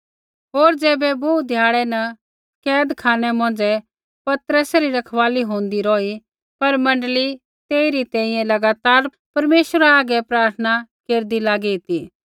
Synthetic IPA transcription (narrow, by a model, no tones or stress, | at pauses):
ɦoːɾd͡zɛːbɛboːd̪ʱjaːɭɛnɐ | kɛːd̪kʰaːnɛmɔ̃ːn̆d͡zɛ | pɐt̪ɾəsɛɾiɾɐkʰʋaːliɦõːnd̪iɾɔːi | pɐɾmɐ̃ɳɖəli | t̪eːiɾit̪ɛ̃ːĩjɛ̃lɐɡaːt̪aːɾ | pɐɾmeːʃwəɾaːɡɛpɾaːɾt̪ʰənakeːɾd̪ilaːɡiɪt̪iː